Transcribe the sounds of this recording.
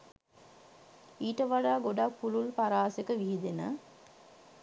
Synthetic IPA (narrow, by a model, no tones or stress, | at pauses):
iːʈəʋaɖaːɡoɖak̚pululpaɾaːsekəʋiɦid̪enə